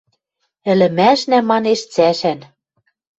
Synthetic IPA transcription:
ɘ̆lɘ̆mæʃnæmɑneʃt͡sæʃæn

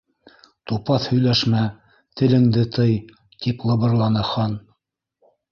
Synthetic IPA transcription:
t̪upɑθhɵ̆jlæʃmæ | t̪ɘ̆lɘ̆ŋd̪ɘt̪ʰɤj | t̪iplˠɤ̆βɤ̆ɾlˠɑnɤχɑn

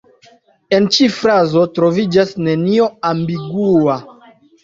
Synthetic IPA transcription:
e̞nt͡ʃifɾazo̞tɾo̞vid͡ʒasne̞nio̞ambiɡua

